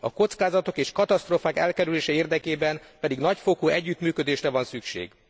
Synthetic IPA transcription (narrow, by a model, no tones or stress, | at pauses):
ɒko̞t̪skaːzɒt̪o̞keːʃkɒt̪ɒst̪roːfaːkɛ̰lkɛɾyleːʃɛeːrd̪ɛkeːbɛnpɛd̪iɡnɒcfokoːɛɟːyt̪myːkød̪eːʃrɛvɒnsykʃḛːɡ̥